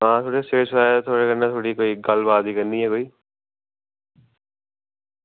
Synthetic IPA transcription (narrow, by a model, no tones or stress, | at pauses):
ɦãːt̪ʰoːɽeseːʈsɾaːjt̪ʰoːɽekəɾnat̪ʰoːɽikoːiɡɐlbaːd̪ikəɾnd̪iɦɛ̃koːi